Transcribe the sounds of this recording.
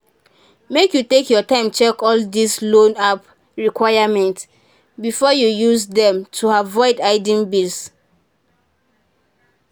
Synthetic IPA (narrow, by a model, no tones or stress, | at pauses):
mekjutekjɔtãɪ̃mt͡ʃɛkɔldislõnap | ɹikwaɪamɛ̃nt | bifɔjujusdɛ̃mtʰuavɔɪdaɪdĩnbils